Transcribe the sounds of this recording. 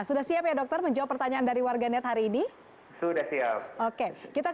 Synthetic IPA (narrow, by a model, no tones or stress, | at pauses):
sudahsiapjadɔk̚t̪ərməɲd͡ʒawpːərt̪aɲaandaɾiwarɡanɛt̪ɦaɾiːni | sudahsiap̚okekit̪a